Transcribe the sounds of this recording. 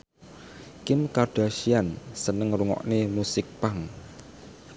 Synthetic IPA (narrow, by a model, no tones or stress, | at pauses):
kɪmkarɖ̥a̤ʃiansənəŋruŋɔ̰ʔnemusɪk̚paŋ